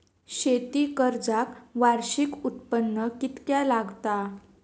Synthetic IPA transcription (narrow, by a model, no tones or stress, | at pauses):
ɕet̪ikəɾd͡zakʋaɾɕikut̪pənːəkit̪kjalaɡt̪a